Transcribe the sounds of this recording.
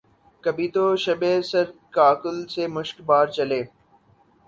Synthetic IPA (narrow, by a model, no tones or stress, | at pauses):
kəbʱit̪oːʃəbesəɾkaːkəlsemʊʃkbaːɾt͡ʃəleː